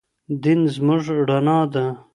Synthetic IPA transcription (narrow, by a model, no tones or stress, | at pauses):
d̪inzmʊʐɽɐnaːd̪a